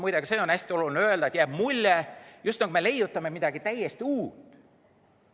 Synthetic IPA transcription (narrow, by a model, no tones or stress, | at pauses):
mujd̪eɡ̥ɑseːo̞næsʲt̪io̞lulʲineøld̪ɑet̪jæːb̥mulʲːɛjust̪nɑkumele̞jut̪ːˑɑme̞mid̪̥ɑɡit̪æjːest̪iuːt̪ˑ